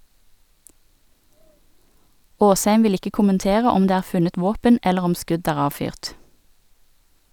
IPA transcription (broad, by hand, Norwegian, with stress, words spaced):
ˈoːsˌhæɪm ˈʋɪl ˈɪkə kʊmənˈteːʁə ˈɔm ˈdeː ˈæːʁ ˈfʉnət ˈʋoːpən ˈɛləʁ ˈɔm ˈskʉd ˈæːʁ ˈɑːʋˌfyːʁt